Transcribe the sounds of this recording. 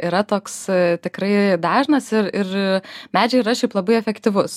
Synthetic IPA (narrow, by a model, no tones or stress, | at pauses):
iɾɐt̪oːkst̪ʲɪkɾɐɪd̪ɑːʒnɐsɪrɪrmʲæːd͡ʒʲɛɪɾɐʃʲɛɪplˠɐbɐɪɛfʲɛkt̪ʲɪʋʊs